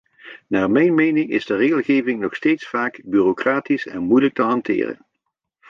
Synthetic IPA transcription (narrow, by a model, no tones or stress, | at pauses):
naːɹmɛjnmejnɪŋɪ̰zdəreːɣəlˠɣejvɪŋnɔχstejtsfaːkbyːrokraːtisɛ̰nmujlək̚təɦɑntɪ̰ːrə̰n